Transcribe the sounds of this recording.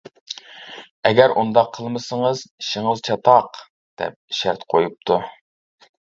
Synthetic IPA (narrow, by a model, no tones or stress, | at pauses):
ɛɡʲæɾʔṵnd̪ɑqʰːəlˠməsəŋəzʃiŋəlˠt͡ʃʰɑt̪ɑq | d̪̥ɛ̰p̚ʃæɾt̪qʰojup̚t̪ʰu